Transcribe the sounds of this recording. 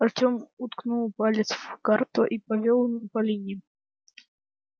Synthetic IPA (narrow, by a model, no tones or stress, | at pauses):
ɐrtʲomʊt̪knulˠpalʲɪsvkart̪ʊʔipɐvʲolˠnəpɐlʲinʲɪ